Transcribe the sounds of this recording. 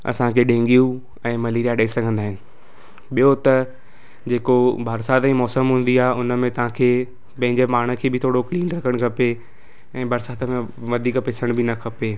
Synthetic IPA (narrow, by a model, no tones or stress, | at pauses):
ɐ̰sãkʰeːɗẽːŋɡijũ | ɛ̃ːmɐleːɾijaɗɐesɐɡʱə̃nd̪aːɦɪnɪ̆ | ɓijot̪ɐ | d͡ʑeːkobʱaːɾsaːt̪ĩmɔːsəmɦũːn̆d̪iaːʊnə̆mẽt̪ɐʋ̤ãkʰeː | pɐ̃ɦɪ̃ɲd͡ʑemaːɽ̤̃əkʰeːbʱɪt̪ʰoːɽokliːnɾɐkʰəɽ̃kʰɐpe | ɛ̃ːbʱaːɾsaːt̪əmẽ | ʋɐd̪ʱiːkpesəɽ̃bʱɪnɐkʰɐpe